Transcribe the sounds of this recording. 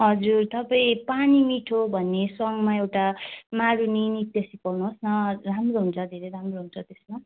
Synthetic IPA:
ɦʌd͡zurt̪ʌpaĩpanimiʈʰobʱʌnːesʌŋɡmaewʈamaɾuninit̪jʌsikʌwnuɦosnʌramroɦunt͡sʰʌd̪ʱeɾejɾamroɦunt͡sʰʌt̪esma

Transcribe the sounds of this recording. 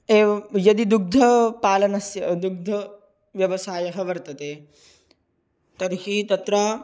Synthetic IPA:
eːjɐd̪id̪uɡ̚d̪ʱɐpaːlɐnɐsjɐd̪uɡ̚d̪ʱɐ | ʋjɐʋɐsaːjɐɦɐʋɐɾt̪ɐt̪eː | t̪ɐɾihit̪ɐt̪ɾaː

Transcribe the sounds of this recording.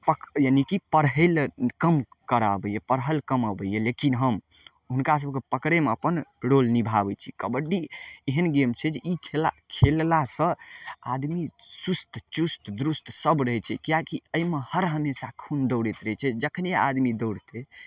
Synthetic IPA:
pəkjanikipəɾɦəlkəm | kəɾa̰bəjepəɾɦəlkəməbəjelekinɦəm | ɦunkas̬əb̚kepəkɾemeəpənɽolnibʱabɛt͡ʃʰi̥kəbəɖieɦənɡemt͡ʃʰɛd͡ʒeʔikʰelakʰellasə̃a̰d̪misust̪ʰt͡ʃust̪ʰd̪ɾust̪ʰsəbɾəɦɛt͡ʃʰɛ̰kijakiəjmehəɾɦəmesakʰund̪əʊɽet̪ɾəɛt͡ʃʰɛd͡ʒəkʰənjea̰d̪mid̪əʊɽt̪e

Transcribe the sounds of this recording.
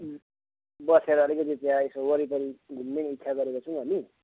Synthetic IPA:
bʌseɾʌːlikʌt̪̬it͡sjãesowʌɾip̪ʌɾiɡʱunːenit̪ːsʰaɡʌɾekot͡sʰũʌni

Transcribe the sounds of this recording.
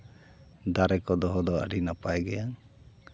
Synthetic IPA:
d̪aɾɛkɔd̪ɔɦɔd̪ɔa̰ɽinapajɡɛaŋ

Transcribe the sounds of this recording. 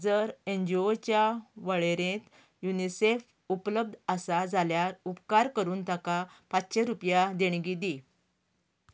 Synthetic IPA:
d͡zəɾẽɲd͡ʑiot͡ɕjaʋəɭeɾẽt̪ | junisef | upləb̚d̪ʱasad͡zaljaɾupkaɾkəɾuːnt̪aka | patɕeɾupjad̪eɳɡid̪i

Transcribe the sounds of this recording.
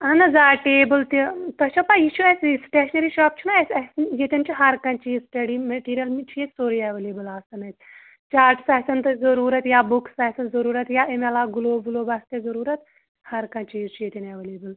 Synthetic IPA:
ɐnɐzaːʈeːbɐlt̪it̪ɐt͡ʃʰɐpajiʃʰuɐsʲsʈeːʃnɐɾiːʃaːp̚t͡ʃʰunɐesʲɐsnjet̪ʲɐnt͡ʃʰiɦɐɾkɐ̃nt͡ʃiːzsʈɐɖiːmɐʈiːɾijɐlmit͡ʃʰijekʲsoːɾiɛʋɐleːbɐlaːst̪ɐnɐt̪ʰʲ | t͡ʃaːɾʈsɐːsɐnt̪ɨzɐɾuːɾɐt̪jaːbuksɐːsɐnzɐɾuːɾɐt̪jaʔemelaːɡuloːbuloːbɐst̪ezɐɾuːɾɐt̪ | hɐɾkɐ̃t͡ʃiːzt͡ʃʰujet̪ʲɐnɐʋɐleːbɨl

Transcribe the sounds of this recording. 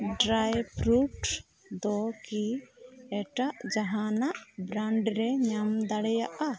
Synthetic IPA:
ɖɾajpɾuʈ | d̪ɔkiɛʈaʔd͡ʒaɦanaʔbɾaɳɖɾɛɲamd̪aɽɛjaʔa

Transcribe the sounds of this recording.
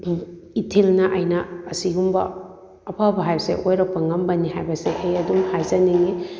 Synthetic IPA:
itʰelnɐʔɐjnɐːsiɡumbɐ̰ː | pʰabɐɦajbɐsḛʔojɾɐk̚pːɐŋɐmbɐniɦajbɐseʔejɐdumhajzaniŋi

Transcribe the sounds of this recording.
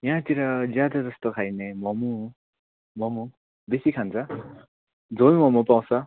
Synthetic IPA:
jɦãt̪iɾʌd͡zjad̪ad͡zʌst̪okʰajnemʌmu | mʌmu | besikʰant͡sʰʌ | d͡zolmʌmupaw̃t͡sʰʌ

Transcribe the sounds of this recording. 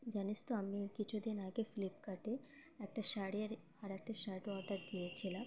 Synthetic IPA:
d͡ʑanist̪oamikit͡ɕʰud̪inaɡefilipkaʈe | ɛk̚ʈaʃaɽiaɾ | aɾɛk̚ʈaʃaɾʈɔɾd̪aɾd̪ijet͡ɕʰila

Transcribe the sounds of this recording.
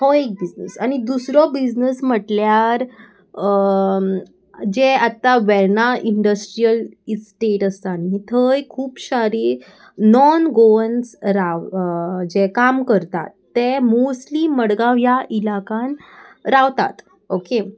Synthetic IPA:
hɔek̚bid͡ʑnəsañid̪usɾɔbid͡ʑnəsməʈljaɾ | d͡ʑeat̪ːaʋɛnaʔiɳɖəsʈɾijəlsʈeʈəst̪anːit̪ʰəjkʰuːpɕaɾiː | nɔnɡoənsɾaʋd͡ʑekamkəɾt̪a̰t̪ːemosliːməɽɡaʋjaʔilakanɾaʋt̪a̰t̪ | oke

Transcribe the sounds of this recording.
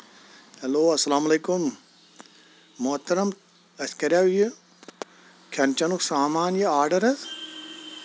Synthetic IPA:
hɐloːɐsɐlaːmɐleːkum | moɦɐt̪ːɐɾɐm | ɐskɐɾjaʋji | kʲʰɐnt͡ʃɐnuksaːmaːnjiaːɾɖɐɾɐz

